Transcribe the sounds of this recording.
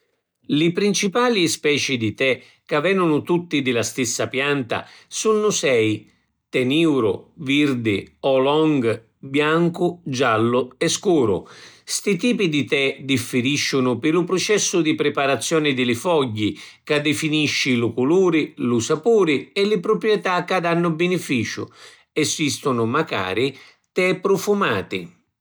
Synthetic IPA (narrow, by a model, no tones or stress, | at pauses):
lɪpɾint͡ʃipaːlispɛːt͡ʃid̪it̪ɛ | kavːɛnʊnʊt̪ut̪ːid̪ɪlast̪ɪsːapjant̪a̰sunːʊsɛj | t̪ɛniwɾʊ̰viɾd̪ɪɔlɔŋɡ | bjaŋkʊd͡ʒalːʊɛskuːɾʊ̰st̪it̪iːpid̪it̪ɛd̪ifːɪɾiʃːʊnʊpɪlʊpɾʊt͡ʃɛsːʊd̪ipɾɪpaɾat̪sːjɔːnɪd̪ɪlɪfɔɟːi | kad̪ːɪfiniʃːɪlukuluːɾɪlusapuːɾɪɛlɪpɾʊpɾjɛt̪akːad̪anːʊbɪnɪfiːt͡ʃʊ̰ | ɛsist̪ʊnʊmaka̰ːɾi | t̪ɛpɾʊfuma̰ːt̪ɪ̰